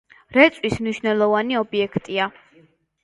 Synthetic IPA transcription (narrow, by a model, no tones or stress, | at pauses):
ɾɛt̪sʼwismniʃvnɛlˠɔvaniɔbiɛkʰt̪ʼia